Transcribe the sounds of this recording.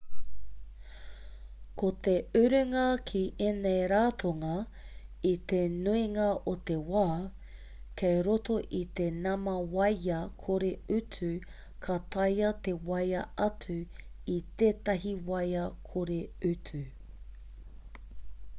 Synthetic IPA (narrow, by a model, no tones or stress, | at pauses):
kot̪eʉɾʉŋɐkʰiʔenejɾaːt̪ʰoŋɐ | it̪enuiŋɐʔot̪ewaː | kʰejɾotoʔit̪enɐmɐwɐjɐkʰoɾeʉtʰʉ | kʰɐt̪ʰɐjɐt̪ewɐjɐʔɐtʰʉ | it̪eːt̪ɐɦiwɐjɐkʰoɾeʉtʰʉ